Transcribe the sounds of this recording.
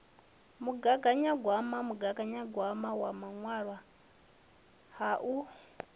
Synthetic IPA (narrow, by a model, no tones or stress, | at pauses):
muɡaɡaɲaɡwamamuɡaɡaɲaɡwamawamaŋwaɺwa | haʔu